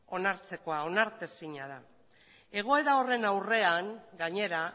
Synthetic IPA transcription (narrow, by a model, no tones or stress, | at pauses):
o̞naɾt͡se̞ko̞ao̞naɾt̪e̞siɲaða | e̞ɣ̞o̞e̞ɾao̞re̞nawre̞aŋɡaɲe̞ɾa